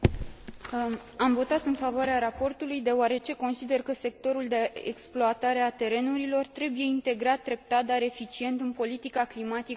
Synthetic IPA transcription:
amvo̞t̪at̪ɨnfavoaɾeaɾapo̞rt̪ulujd̪e̞oaɾe̞t͡ʃe̞ko̞nsid̪e̞rkəse̞k̚t̪o̞ɾuld̪e̞eksploat̪aɾe̞at̪e̞ɾe̞nuɾilo̞rt̪ɾe̞buje̞int̪e̞ɡɾat̪̚d̪ɾe̞p̚t̪at̪̚d̪aɾe̞fit͡ʃie̞nt̪ɨnpo̞lit̪ikaklimat̪ik

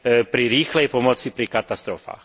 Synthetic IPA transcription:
pɾiɾiːxlɛjpɔmɔt͡sipɾikat̪ast̪ɾɔfa̰ːx

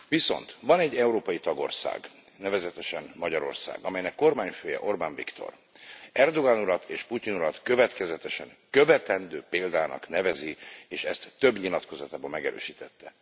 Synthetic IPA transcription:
viso̞̰nt̪vɒnɛɟːɛuɾoːpɒjit̪ɒɡo̞̰rsa̰ːɡnɛvɛzɛt̪ɛʃɛnmɒɟɒɾo̞̰rsa̰ːɡɒmɛjnɛkːo̞rmaːɲføːjɛ̰ʔo̞rbaɱvikt̪o̞̰r | ɛrd̪o̞ɡanuɾɒt̪ʰeːʃpucinuɾɒt̪kø̞vɛt̪kɛzɛt̪ɛʃɛŋkøvɛt̪ɛnd̪øːpeːld̪aːnɒ̰knɛvɛzieːʃɛst̪ːø̞bɲilɒt̪ko̞zɒt̪aːbɒmɛɡɛɾø̰ːʃiːt̪ʰɛt̪ːɛ

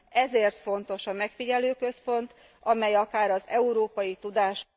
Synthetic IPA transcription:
ɛzeːrt̪fo̞n̪t̪o̞ʃɒmɛkfiɟɛløːkø̞spo̞nt̪ | ɒmɛjɒkaːɾɒzɛuɾoːpɒjit̪ud̪aːʃ

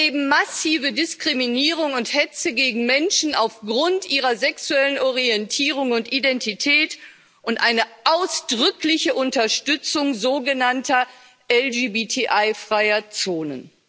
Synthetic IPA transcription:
eːbm̩masiːvədɪskʁ̥iminiːʁʊŋʊnthɛt͡səɡeːɡŋ̩mɛnʃn̩aʊfɡʁʊntʔiːʁɐzɛksuɛlənɔʁiɛntʰiːʁ̞ʊŋʊntʔidɛntitʰɛːt | ʔʊntʔaɪnəʔaʊsd̥ʁʏklɪçəʔʊntɐʃtʏt͡sʊŋzoːɡənantɐ | ʔɛld͡ʒiːbitʰiʔaɪfʁ̥aɪɐt͡soːnə̰n

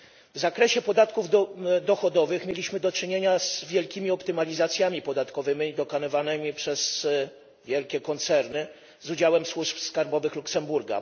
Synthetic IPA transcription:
vzakɾɛɕɛpɔd̪at̪kuvd̪ɔxɔd̪ɔvɘxmʲjelʲiɕmɘd̪ɔt͡ʂɘɲeɲazvʲjɛlkʲimʲiɔpt̪ɘmalʲizat̪sʲjamʲipɔd̪at̪kɔvɘmʲid̪ɔkanɔvanɛmʲipʂɛz | vʲjɛlkʲɛkɔnt̪sɛɾnɘ | zud͡ʑawɛmswuʂpskaɾbɔvɘxluksɛmbuɾɡa̰

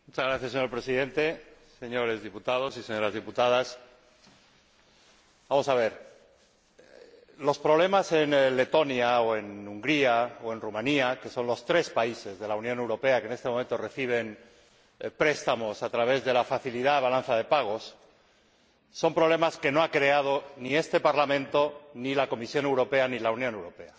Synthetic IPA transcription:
mut͡ʃazɣɾaθjase̞ɲoɾpɾe̞siðẽ̞nt̪e̞se̞ɲo̞ɾe̞zðiput̪að̞o̞sise̞ɲo̞ɾazð̞iput̪að̞as | bamo̞saβ̞e̞ɾ | lo̞spɾo̞β̞le̞mase̞nle̞t̪o̞njaoe̞nuŋɡɾiaoe̞nrumãniake̞so̞nlo̞st̪ɾe̞spaise̞zðe̞launjo̞ne̞wɾo̞pe̞akene̞st̪emoment̪ore̞θiβ̞e̞n | pɾe̞st̪amo̞sat̪ɾaβe̞zðe̞lafaθiliðaβalan̟θaðe̞paɣ̞o̞s | o̞mpɾo̞βle̞maske̞no̞akɾe̞að̞o̞nie̞st̪e̞paɾlamẽnt̪o̞nilako̞misjo̞ne̞wɾo̞pe̞anilaunjone̞wɾo̞pe̞a

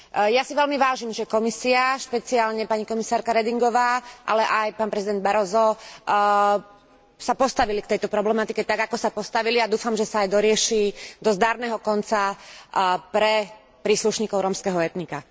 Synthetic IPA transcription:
jasiʋɛlmiʋaːʒimʒɛkɔmisiaʃpɛt͡siaːlɲɛpaɲikɔmisaːɾkaɾɛd̪iŋɡɔʋaːʔa̰lɛʔajpaːnpɾɛzid̪ɛnd̪baɾɔzɔ | sapɔst̪aʋilikt̪ɛjt̪ɔpɾɔblɛmat̪ikɛt̪aɡakɔsapɔst̪aʋiliad̪uːfamʒɛsaːjd̪ɔɾɪɛʃiːd̪ɔzd̪aɾnɛɦɔkɔnt͡sa | pɾɛ | pɾiːsluʃɲiːkɔʊɾɔmskɛɦɔɛt̪nika

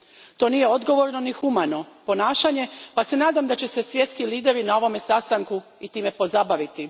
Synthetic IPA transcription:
t̪o̞niːjeo̞d̪ɡo̞ʋo̞ɾno̞nixumano̞po̞naːʃaɲe̞pase̞naːd̪amd̪at͡ɕe̞se̞sʋje̞t̪skiliːd̪e̞ɾinao̞ʋo̞me̞sast̪aŋkuit̪iːme̞po̞zabaʋit̪i

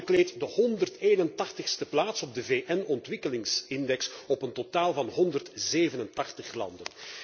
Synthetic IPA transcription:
əkleːtdəhɔndərteːnəntɑxtəxstəplaːtsɔb̚dəveːʔɛnɔntʋɪkəlɪŋsɪndɛksɔpəntotaːlˠvɑnɦɔndərtzeːvənəntɑxtəχlɑ̰ndən

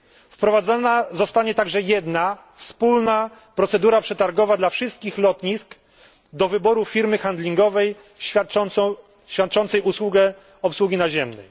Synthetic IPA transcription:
fpɾɔvad̪zɔnazɔst̪aɲɛt̪aɡʐɛjɛd̪na | fspulnapɾɔt̪sɛd̪uɾapʂɛt̪aɾɡɔvad̪lafʂɘst̪̚kʲixlɔt̪ɲisk | d̪ɔvɘbɔɾufʲiɾmɘxand̪lʲiŋɡɔvɛjʲ | ɕfʲjat̪̚t͡ʂɔnt̪sɛjuswuɡɛ | ɔpswuɡʲinaʑɛmnɛ̰j

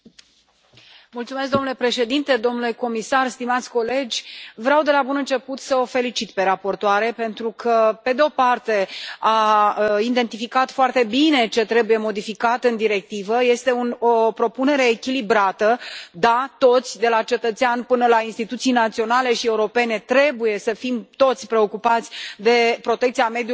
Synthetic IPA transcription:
mult̪sumesk̚d̪o̞nule̞pɾe̞ʃe̞d̪int̪e̞d̪o̞mnule̞ko̞misarst̪imat̪sʲko̞le̞d͡ʒʲvɾeawd̪e̞labunɨnt͡ʃe̞put̪səofe̞lit͡ʃit̪pe̞ɾapo̞rt̪oaɾe̞pe̞nt̪ɾukʰəpe̞d̪eo̞part̪e̞aind̪e̞nt̪ifikat̪foart̪e̞bine̞t͡ʃe̞t̪ɾe̞buje̞mo̞d̪ifikat̪ɨnd̪iɾe̞k̚t̪ivəje̞st̪e̞unopɾo̞pune̞ɾe̞ːkʲilibɾat̪əd̪at̪o̞t̪sʲd̪e̞lat͡ʃe̞t̪ət̪seanpɨnəlainst̪it̪ut̪sijnat̪sio̞nale̞ʃie̞uɾo̞pe̞ne̞t̪ɾe̞buje̞səfimt̪o̞t̪sʲpɾe̞o̞kupat̪sʲd̪e̞pɾo̞t̪ekt̪siame̞d̪ju

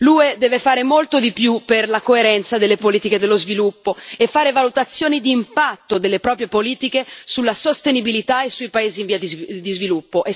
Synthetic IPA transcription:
lued̪ɛːvefaːɾemolt̪od̪ipjupːerlakoeɾɛnt̪sad̪elːepoliːt̪iked̪elːozvilupːoefaːɾevalut̪at̪sːjoːnid̪iːmpat̪ːod̪elːepɾɔːpɾjepoliːt̪ikesulːasost̪enibilit̪aesːuipaeːziːɱviad̪d̪izvilupːoʔe

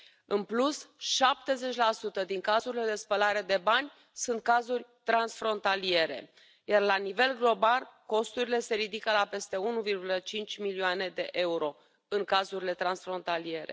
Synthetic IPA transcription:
ɨnplusʃap̚t̪e̞ze̞t͡ʃʲlasut̪əd̪iŋkazuɾile̞d̪e̞spəlaɾe̞d̪e̞banʲ | sunt̪̚kazurʲt̪ɾansfɾo̞nt̪alie̞ɾe̞̰ | jarlanive̞lɡlo̞balko̞st̪uɾile̞se̞ɾid̪ikəlape̞st̪e̞unuvirɡulət͡ʃint͡ʃʲmilioane̞d̪e̞ʔe̞uɾo̞ | ɨŋkazuɾile̞t̪ɾansfɾo̞nt̪alie̞ɾe̞̰

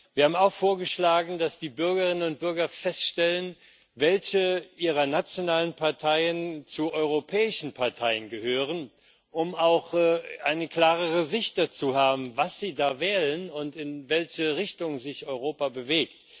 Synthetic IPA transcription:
viːɐhaːbm̩aʊxfoːɐɡəʃlaːɡŋ̩dasd̥iːbʏɐɡɐʁɪnənʊnt̚b̥ʏɐɡɐfɛstʃtɛlən | vɛlçəʔiːʁɐnat͡sjonaːlənpʰaɐtʰaɪənt͡suʔɔʏʁopʰɛːɪʃn̩pʰaɐtʰaɪənɡəhøːʁ̞ən | ʔʊmaʊxɛʔaɪnəkl̥aːʁəʁəzɪçt̚d̥at͡suːhaːbm̩vasz̥iːdaːvɛːlənʊntɪnvɛlçəʁɪçtʊŋzɪçʔɔʏʁoːpabəveːkt

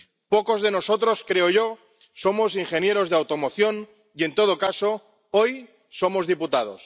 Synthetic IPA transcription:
poko̞zðe̞no̞so̞t̪ɾo̞skɾeoʝo | somo̞s̬iŋxe̞nje̞ɾo̞zðeawt̪omoθjo̞n | ie̞nt̪o̞ð̞okaso̞ | oj | so̞mozðiput̪að̞o̞̰s

